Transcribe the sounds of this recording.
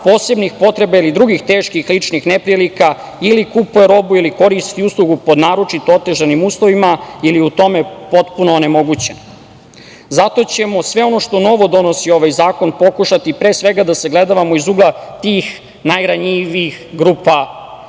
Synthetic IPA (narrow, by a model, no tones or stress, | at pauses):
po̞ːse̞bnixpo̞t̪ɾe̞bailid̪ɾuɡixt̪eːʃkixlit͡ʃnixnepɾielika | ilikupueɾo̞builiko̞ɾist̪iuslˠuɡupo̞d̪naːɾot͡ʃit̪oot̪e̞ʒanimuːslˠo̞ʋimailiut̪o̞me̞po̞t̪punoːne̞mo̞ɡut͡ɕen | zat̪o̞t͡ɕe̞mo̞sʋe̞o̞no̞ʃt̪o̞no̞ʋo̞d̪o̞no̞sio̞ʋajzaːko̞npo̞kuʃat̪ipɾe̞ːsʋe̞ɡad̪ase̞ɡle̞d̪aʋamo̞izuɡlat̪iːx | najɾaɲiʋiixɡɾupa